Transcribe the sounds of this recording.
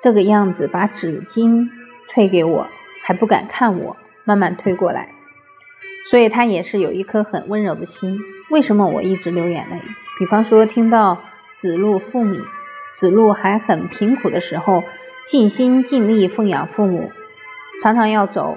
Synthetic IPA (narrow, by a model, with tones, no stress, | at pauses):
ʈ͡ʂɤ˥˩ɡə˩jɑ˥˩ŋd͡zɹ̩˨˩pa˧˥ʈ͡ʂɻ̩˨˩t͡ɕi˥nt̪ʰwe˥˩ɪke˧˥ɪwɔ̰˨˩˦xa˧˥ɪpu˥˩ka̰˨˩nkʰa˥˩nwɔ̰˨˩˦ | ma˥˧nma˥˧nt̪ʰwe˥ɪkwɔ˥˩la̰˧˥ɪ | swɔ˧˥i˨˩t̪ʰa˥jɛ˨˩ʂɻ̩˥˩jo˨˩ʊi˥˩kʰɤ˥xə̰˨˩nwə˥nɻo˧˥ʊd̪ə˧ɕi˥nwe˥˩ɪʂə˧˥nmə˧wɔ̰˨˩i˥˩ʈ͡ʂɻ̩˧˥ljo˧˥ʊjɛ̰˨˩na˥ɪ˥˩pi˨˩fɑ˥ŋʂwɔ˥t̪ʰi˥ŋt̪ɑ˥˩ʊ | t͡sɹ̩˨˩lu˥˧fu˥˩mḭ˨˩˦t͡sɹ̩˨˩lu˥˩xa˧˥ɪxə˨˩npʰi˧˥ŋkʰu˨˩d̪ə˦ʂɻ̩˧˥xo˧ʊ | t͡ɕi˥˩nɕi˥nt͡ɕi˥˧nli˥˧fɤ˥˩ŋjɑ̰˨˩ŋfu˥˩mṵ˨˩˦ | ʈ͡ʂʰɑ˧˥ŋʈ͡ʂʰɑ˧˥ŋjɑ˥˩ʊt͡so̰˨˩˦ʊ